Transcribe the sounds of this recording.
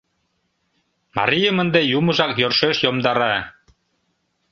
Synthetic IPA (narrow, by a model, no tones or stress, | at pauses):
mɑ̰ɾʲijə̆mə̆nd̪ejumɤ̆ʒɑkjørʃeʃjomd̪ɑɾɑ